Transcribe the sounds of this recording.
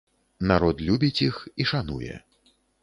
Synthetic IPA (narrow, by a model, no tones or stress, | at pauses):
naɾɔt̪lʲubʲit͡sʲixiʂanṵjɛ̰